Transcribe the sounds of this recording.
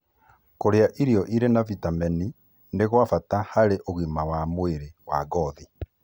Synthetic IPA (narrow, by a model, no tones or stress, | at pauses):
koɾeaʔiɾiɔʔiɾenavitamɛni | neɣwafatahaɾeʔoɣimawamweɾewaɡɔði